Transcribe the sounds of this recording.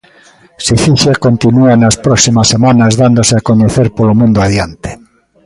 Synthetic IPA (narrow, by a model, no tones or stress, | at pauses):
siθiθjakont̪inuanaspɾɔksimasːemãnazðand̪oseakond̪uθeɾpolomũnd̪oaðjant̪e̥